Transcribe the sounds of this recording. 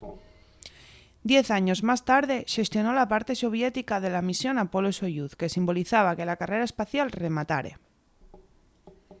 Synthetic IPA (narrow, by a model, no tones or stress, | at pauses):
d̪je̞θaɲo̞zmast̪aɾðe̞ʃe̞st̪jo̞no̞lapaɾt̪e̞so̞β̞je̞t̪ikað̞e̞lamisjo̞napo̞loesojuθke̞simbo̞liθaβ̞ake̞lakare̞ɾaespaθjalre̞mat̪a̰ɾe̞̰